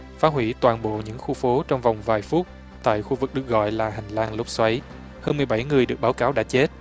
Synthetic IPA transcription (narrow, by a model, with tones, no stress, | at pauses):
faː˨˦˥ɦwḭ˧˥t̪waː˨˩nɓo̰˧˨ɲɨ̰˧˥ŋxu˧fo˨˦t͡ɕɔ˧wŋ͡mva˨˩wŋ͡mvaː˨˩jfu˦˥t̚ | t̪a̰ː˧˨jxu˧vɨ˨˩k̚ɗɨ˨˩ək̚ɣɔ̰˧˨jlaː˨˩ɦa˨˩ŋ̟laː˧ŋlo˦˥p̚swa˨˦j | həː˧nmɨ˨˩əjɓa˧˩jŋɨ˨˩əjɗɨ˨˩ək̚ɓaː˨˦wkaː˨˦wɗa̰ː˧˥t͡ɕe˦˥t̚